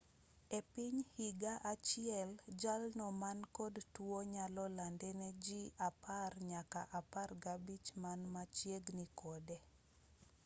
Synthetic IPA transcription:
epiɲhiɡaʔat͡ʃɪɛld͡ʒalnɔmankɔdtuoɲalɔlandɛnɛd͡ʒiaparɲaka̰ʔaparɡabit͡ʃmanmat͡ʃjeɡnikɔdɛ

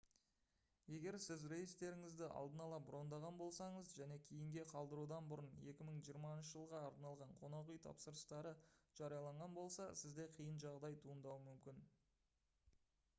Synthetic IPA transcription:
je̞ɡʲe̞ɾsɪzɾe̞jist̪e̞ɾɪŋɪzd̪ɪʔɑ̰lˠd̪ənɑlˠɑbɾo̞nd̪ɑʁɑnbo̞lˠsɑɴəzʒæne̞kʲʰejɪŋɡʲe̞qʰɑlˠd̪əɾud̪ɑnbʊɾəne̞kʲɪməɴʒijəɾmɑnʃ̬əʒəlˠʁɑːɾnɑlˠʁɑɴqʰo̞nɑʁijt̪ʰɑ̰psəɾəst̪ɑɾəʒ̥ɑɾijɑlˠɑɴʁɑnbo̞lˠsɑsɪzd̪e̞qʰijənʒɑʁd̪ɑjt̪ʰuənd̪ɑwəmʏmkʲɪn

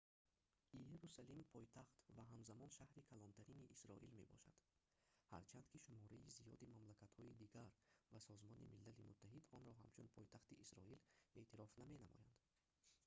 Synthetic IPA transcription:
ijeɾusalimpʰɔjt̪ʰaχt̪vaɦamzamɔnʃahɾikʰalɔnt̪ʰaɾiniʔisɾɔʔilme̞̰bɔ̰ʃad̪̥ | ha̰ɾt͡ʃʰand̪̚kʰiʃumɔɾaizijɔd̪imamlakat̪hɔid̪iɡaɾvasɔzmɔnḭmilːalimut̪ʰːaɦid̪ɔnɾɔɦa̰mt͡ʃʰunpʰɔjt̪ʰaχt̪iʔisɾɔile̞ʔt̪ʰiɾɔfname̞namɔ̰jand̪̥

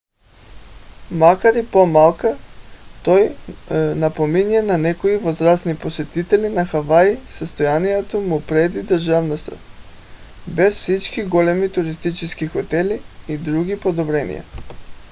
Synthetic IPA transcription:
makaɾipomalˠkat̪oj | napominɛnanɛkoivozɾasniposɛt̪it̪ɛlinaxavaisəst̪ojanijɛt̪omupɾɛd̪id̪əɾʒavnost̪a̰ | bɛsfsit͡ʃkiɡolɛmit̪uɾist̪it͡ʃɛskixot̪ɛliːd̪ɾuɡipod̪obɾɛnḭja̰

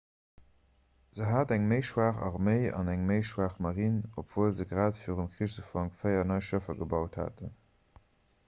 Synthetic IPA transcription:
z̥əɦaːtæŋməɪʃwaːχɑ̰ʁmeɪɑ̰næŋməɪʃwaːχmɑʁinopv̥oːlzəɡʁaːtfiːʁəmkχiəʃzəfɑŋkfɜɪɐnɑɪʃəfɐɡəbɑʊtha̰ːtən

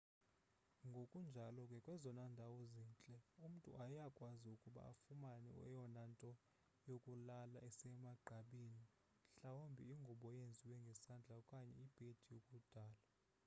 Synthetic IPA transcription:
ŋɡʱokʼund͡ʒʱalɔkʼɛkʼwɛzɔnandʱawɔziːnt͡ɬʼɛum̩tʼṵʔajakʼwaziukʼuɓa̰a̰fumanɛ̰ɛ̰jɔnantʼɔ | jokʼulalaɛsɛmaɡ͡ǃʱaɓiːni | ɬawombʱiiŋɡʱuɓɔjend͡zʱiwɛŋɡʱɛsand͡ɮʱakʼaɲɛ̰ib̥ʱed̥ʰʱijokʼud̥ʱaːla

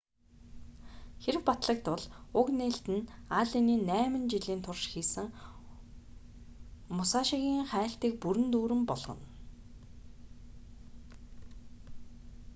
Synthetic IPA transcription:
xeɾɘ̆kpat̪ɮə̆k̚t̪ʊɮʊkneːɬt̪ɘ̆naɮiniːnæːmɘ̆nt͡ɕiɮiːnt̪ʰʊrʃxiːsɘ̆ŋ | mʊsaʃiɣʲiːŋχæːɬt̪iːk̚puɾɘ̆nt̪uːɾɘ̆mpɔɮʁɞ̰̆n

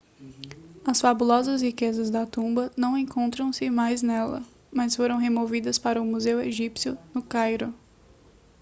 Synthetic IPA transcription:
ɐsfabulɔzɐshikezɐzd̪ɐt̪ũmbɐnɐ̃w̃ẽkõnt̪ɾɐ̃w̃sɪmajznɛlɐ̰ | mɐsfoɾɐ̃w̃ɦemovid̪ɐspaɾɐʊmuzeweʒipsjʊnʊkajɾʊ

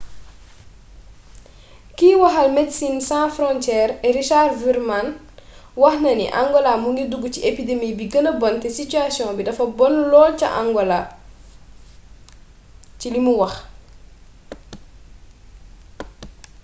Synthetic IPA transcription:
kiwɐxɐlmɛdsinsãfɾɔ̃ntjɛːɾɛɾiʃarviɾman | wɐxnɐnḭʔa̰ŋɡɔlamuŋɡiduɡuciʔepidemiːbiɡənəbɔntɛsityasiɔ̃bidɐfɐbɔnlɔːlcɐ̰ʔã̰ŋɡɔla | cilimuwɐx

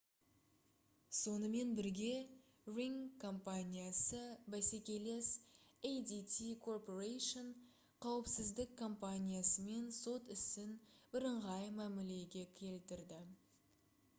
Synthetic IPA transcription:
so̞nəme̞nbɪɾɡʲe̞ | riŋkʰːo̞mpanʲijasəbæsekʲe̞le̞sejd̪it̪ʰikʰo̞rpoɾejʃon | qʰɑwəpsɪzd̪ɪkʰːo̞mpanʲijasəme̞nso̞t̪ɪsɪnb̥ɪɾəɴʁɑjmæmɪle̞ɡʲe̞kʲʰe̞lt̪ɪɾd̪ɪ

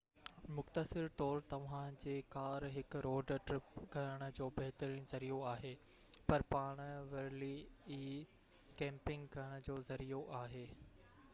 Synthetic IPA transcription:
mʊxt̪əsɪɾt̪ɔːɾt̪ɐʋ̤ãd͡ʑeːkaːɾɦɪkɾoːɖʈɾɪpɡʱɐɾəɽ̃ə̆d͡ʑoːbɐɦɪt̪əɾĩñzɐɾijoaːɦeː | pɐɾpaːɽ̃ʋɐɾliiː | kɛ̃ːmpɪ̃ŋɡɡʱɐɽ̃̆d͡ʑoːzɐɾijoʔaːɦeː

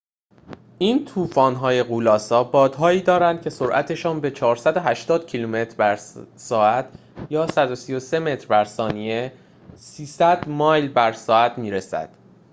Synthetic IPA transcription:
ʔiːnt̪ʰuːfɒːnɦɒːje̞ɣuːlɒːsɒːbɒːd̪̥ɦɒːiːd̪ɒːɾænd̪̥cʰe̞so̞ɾʔæ̰t̪ʰe̞ʃɒːnbe̞t͡ʃʰɒːɾsæd̪oɦæʃt̪ɒːd̪̥̚cʰilume̞t̪ʰɾbæɾsɒːæt̪ʰ | jɒːsæd̪o̞sijo̞se̞me̞t̪ʰɾbæɾsɒːnie̞ | siːsæd̪̥mɒːjlbæɾsɒːæt̪ʰmiːɾesæ̰d̪̥

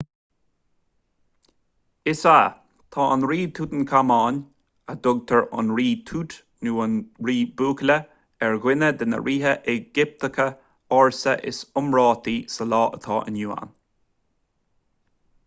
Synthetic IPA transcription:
ɪsa | t̪ʰɑːʔə̰nɾiːt̪ʰuːt̪ənkʰamɑːn | əd̪ʊɡ̚t̪ʰəɹʊ̰nɹiːt̪ʰuːt̪ | nuːənɹiːbuːklə | ɛɹɡwɪnəd̪ənə̰ɹʔiːɦəʔɛɡɪp̚t̪əkʰə | ɑɹsəʔɪ̰sʊmɹɑːt̪iːsəlɑːʔət̪ʰɑːʔə̰njuːa̰n

